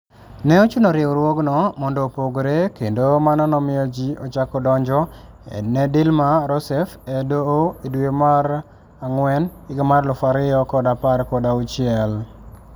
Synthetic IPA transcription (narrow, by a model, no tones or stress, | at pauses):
nɛɔt͡ʃunoɾɪoɾwoɡnɔmɔndɔpoɡɾekendomanɔnɔmɪad͡ʒiɔt͡ʃakɔdɔɲd͡ʒɔ | nɛdɪlmaɾɔsɛfɛdooedwemaɾ | aŋwɛnɪɡamarlʊfaɾɪɔkɔdapaɾkɔdaut͡ʃɪɛl